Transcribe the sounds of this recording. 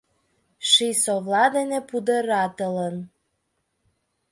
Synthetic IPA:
ʃisovlɑd̪enepud̪əɾɑt̪ələn

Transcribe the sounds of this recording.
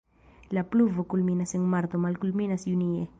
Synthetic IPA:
lapluvokulminaseŋmaɾt̪omalkulminasjuniḛ

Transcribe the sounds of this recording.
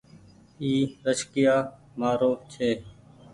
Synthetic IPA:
iːɾəʃkɪjaː | maːɾoːt͡ʃʰeː

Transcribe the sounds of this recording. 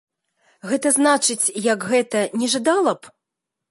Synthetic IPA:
ɣɛt̪ɐznat͡ʂɨt͡sʲjɐkɣɛt̪ɐnʲɛʐɨd̪alˠɐp

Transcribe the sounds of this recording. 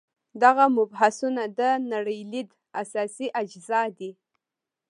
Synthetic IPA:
d̪aɣamʊbɦasunad̪ənaɽəjlid̪ | asɑsiʔad͡ʒzɑd̪i

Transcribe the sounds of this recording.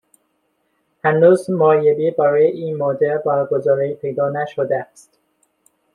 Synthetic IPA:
hænuːzmojebibæɾɒːjeʔiːnmɒːd̪eɾbɒːɾɡozɒːɾipʰe̞jd̪ɒːnæʃod̪eæst̪

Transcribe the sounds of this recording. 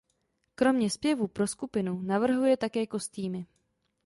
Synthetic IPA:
kɾo̞mɲɛspjɛvuːpɾo̞skupɪnunavr̩ɦujɛt̪akɛːko̞st̪iːmɪ

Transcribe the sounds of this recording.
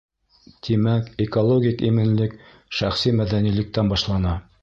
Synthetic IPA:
t̪ʰimækekolˠoɡʲikimɘ̆nlɘk | ʃæχsimæðænilɘ̆k̚t̪ænbɑʃlˠɑnɑ

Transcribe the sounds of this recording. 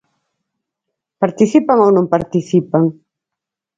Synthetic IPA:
paɾt̪iθipaŋownõŋpaɾt̪iθipaŋ

